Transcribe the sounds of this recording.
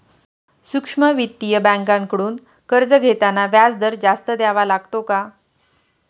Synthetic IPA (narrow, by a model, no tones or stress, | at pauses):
sukʂməʋit̪ːijəbæ̃ŋkãŋkəɽuːn | kəɾd͡zəɡʱet̪anaʋjad͡zd̪əɾd͡ʑast̪əd̪jaʋalaɡt̪oka